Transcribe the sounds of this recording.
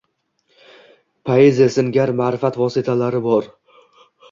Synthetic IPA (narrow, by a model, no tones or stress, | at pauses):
pʰaeziasɪŋɡʲaɾmaːɾɪfat̪vɒsɪt̪ʰalaɾɪbɒɾ